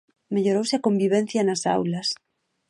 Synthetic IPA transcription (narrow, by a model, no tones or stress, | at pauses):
meʎoɾowseakõ̞mbiβ̞ẽn̟θjanasa̰wlas